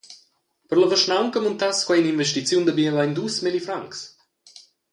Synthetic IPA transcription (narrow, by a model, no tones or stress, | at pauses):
pəɾləvəʃnawŋkəmunt̪askwɛjninvɛʃt̪it͡sjund̪əbiəlajnd̪usmilifɾaŋks